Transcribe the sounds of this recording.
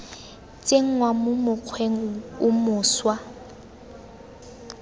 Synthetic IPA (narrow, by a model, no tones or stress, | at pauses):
t͡sʼeŋ̩ŋwamʊmʊq͡χʰweŋ̩ʊmʊːswa